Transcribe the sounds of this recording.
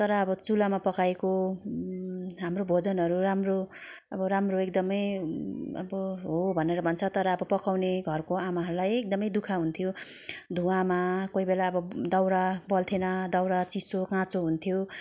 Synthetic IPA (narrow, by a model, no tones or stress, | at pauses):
t̪ʌɾʌːbʌt͡sulamapʌkaeko | ɦamrobʱod͡zʌnɦʌɾuramro | ʌbʌɾamroekd̪ʌmʌj | ʌ̰bʌɦobʱʌneɾʌbʱʌnt͡sʰʌt̪ʌɾʌːbʌpʌkawneɡʱʌrkoamaɦʌɾulajek̚d̪ʌmʌjd̪ukʰaɦunt̪ʰjod̪ʱũamakoibelaʌbʌd̪ʌwɾabʌlt̪ʰenʌd̪ʌwɾat͡sisokãt͡soɦunt̪ʰijo